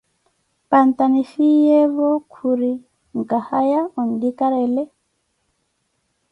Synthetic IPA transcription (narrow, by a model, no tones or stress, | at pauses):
pantanifijɛβɔkʰuɾi | ŋ̩kahajaɔn̩dikaɾɛlɛ